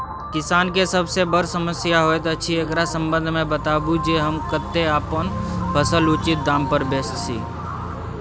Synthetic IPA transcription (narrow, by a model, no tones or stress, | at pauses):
kɪsaːnkesəbsebəɾsəməsjaɦoːet̪oətːʃʰiɐɡɾasə̃mbə̃nd̪ʱmẽbət̪aːbũd͡ʒeɦəmkət̪ːeaːpənbʰʱəsəlʊt͡ʃɪt̪̚d̪aːmpəɾbeːst̪sḭː